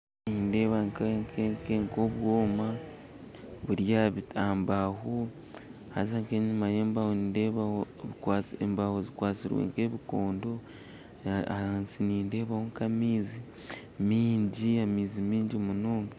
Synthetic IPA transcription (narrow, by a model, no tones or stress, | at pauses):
ninde̞ːβaŋkkekeŋko̞βwo̞ːma | βuɾjaβitaːmbaɦo | ha̰zaŋke̞ːɲumaje̞ːmbahondeβao | kaembahozikwaːt͡siɾwḛŋke̞ːβikoːndo̞ | aansiniːnde̞ːβahoŋkamiːzi | miːɲɟiamiːzimiːɲɟomunoːŋɡe